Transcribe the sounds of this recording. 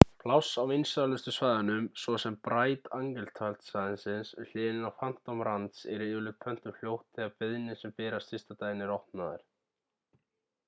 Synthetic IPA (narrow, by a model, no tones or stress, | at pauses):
pʰlawsawejnsalʏst̪ʏsvajðanʏmsvɔsɛmpɾaːjt̪aŋkɛlt̪ʰalt̪saðɪnsɪnsʏl̥ɪːðɪnɪnawfan̥t̪awmɾant̪sɛɾʏɪːʏlʏpʰœn̥t̪ʏml̥jowht̪ʰɪapɪðnɪsɛmfɛːɾast̪ɪst̪at̪ajɪnɪɾɔwht̪naðɪ̰ɾ̥